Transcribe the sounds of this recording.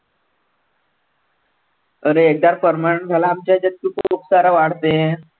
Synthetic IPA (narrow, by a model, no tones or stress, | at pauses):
əɾeːk̚d̪aɾfəɾməəɳd͡zʱalaːmt͡ɕjad͡ʑət̪̚kikuuksaɾaʋaɽ̤t̪e